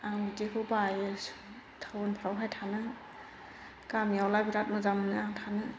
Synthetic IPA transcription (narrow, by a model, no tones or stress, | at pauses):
aŋbitekʰɯbajɯs | tʰawɔnpʰɾawɦajtʰanɯ | kamjawlabiɾat̚mɯzamɯnɯaŋtʰanɯ